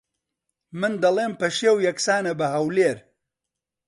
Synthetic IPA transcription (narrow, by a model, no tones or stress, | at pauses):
mɨnd̪ɐlˠeːmpɐʃewjɐksaːnɐbɐɦɐwleːɾ